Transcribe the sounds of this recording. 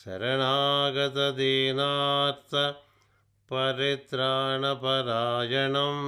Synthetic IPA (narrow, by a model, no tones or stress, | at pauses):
sɐ̰ɾɐɳaːɡɐt̪ɐd̪iːnaːɾt̪ʰɐ | pɐɾit̪ɾaːɳɐpɐɾaːd͡ʒɐɳɐm